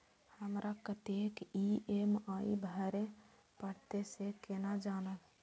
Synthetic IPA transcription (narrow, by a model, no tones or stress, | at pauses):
həmɾʔakət̪ekiemaḭbʱəɾe | pəɽt̪esekenad͡ʒaːnəl